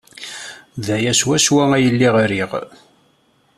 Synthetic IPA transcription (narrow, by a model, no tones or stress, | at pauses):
ðæjæʃwæʃwææjəlːiʁaɾiʁ